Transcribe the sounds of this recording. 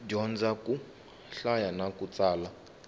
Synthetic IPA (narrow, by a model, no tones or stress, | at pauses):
d͡ʒɔnd͡zakʼu | ɬajanakʼut͡sʼaːla